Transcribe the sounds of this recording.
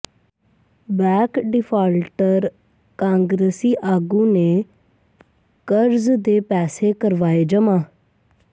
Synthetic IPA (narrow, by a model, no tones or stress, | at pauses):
bɛːkɖɪpʰaːlʈəɾ | kãːŋɡɾeːsiːʔaːɡũːneː | kəɾzd̪eːpɛːseːkəɾʋaːeːd͡ʒəmãː